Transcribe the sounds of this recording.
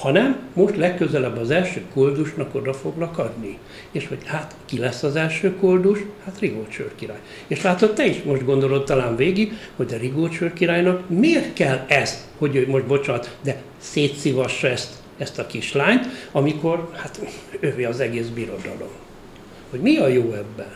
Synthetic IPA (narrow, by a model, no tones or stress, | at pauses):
hɒnɛmːo̞ʃt̪lɛkːøzɛlɛbːɒzɛlʃøːkold̪uʃnɒko̞d̪ɒfo̞ɡlɒkɒd̪ni | eːʃho̞ɟhat̪kilɛsːɒzɛlʃøːkold̪uʃhat̪riɡoːt͡ʃø̰rkiɾa̰ːj | eːʃlaːt̪ot̪ːɛiʃmo̞ʒd̪ɡo̞nd̪o̞lo̞t̪ːɒlaːnveːɡiɡho̞ɟd̪ɛriɡoːt͡ʃørkiɾaːjnɒkmeːrt̪kɛlːɛst̪ho̞ɟøːmoʒ̚bo̞t͡ʃɒt̪d̪ɛ | seːt̪sivɒʃːɒɛst̪ | ɛst̪ɒkiʃlaːɲt̪ɒmiko̞rhat̪øviɒzɛɡeːzbiɾo̞d̪ɒ̰lo̰m | ho̞ɟmiɒjoːɛbːɛn